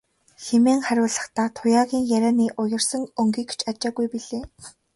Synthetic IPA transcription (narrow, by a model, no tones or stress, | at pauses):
xemeːŋχæɾʲʊːɮə̆χt̪aːt̪ʰʊjaːɣʲiːŋjæɾʲaːniːʔʊjɪ̆rsə̆ŋɵŋɡiːkt͡ɕʰat͡ɕaːɣujpiɮeː